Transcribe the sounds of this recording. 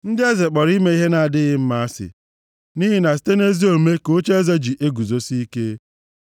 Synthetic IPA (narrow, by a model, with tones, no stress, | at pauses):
n̩˦dɪ˦e˦ze˨k͡pɔ˨ɾi˦me˦i˦ɦe˦na˨a˨dɪ˦ɣɪ˦m̩˦ma˦a˦sɪ̰˨ | ni˦ɦi˦na˨s̬i̥˨te˦ne˦zi˦o˨˦me˦ko˦t͡ʃe˦e˦ze˦d͡ʒi˨ʔe˦ɡu˨zo˦si˦i˦ke˦